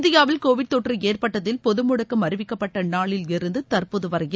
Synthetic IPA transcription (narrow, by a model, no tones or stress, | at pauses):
ðɪjaːʋɪlkoːʋɪʈ̚t̪ɔʈrieːrpɐʈːɐðɪlpɔðɯmʊɽɐkːɐmɐɾɯʋɪkːɐpːɐʈːɐnaːɭɪlɪɾɯnd̪ɯt̪ɐrpɯðɯʋɐɾɐjɪ